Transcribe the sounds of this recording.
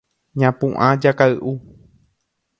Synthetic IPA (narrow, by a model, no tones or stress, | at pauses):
ɲãpũʔãd͡ʒakaɨʔu